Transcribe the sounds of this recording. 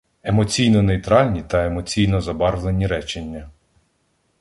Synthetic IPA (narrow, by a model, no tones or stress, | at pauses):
e̞mɔt͡sʲijnɔnejt̪ɾɑlʲnʲit̪ɐemɔt͡sʲijnɔzɐbɑrlˠe̞nʲiɾɛt͡ʃenʲːɐ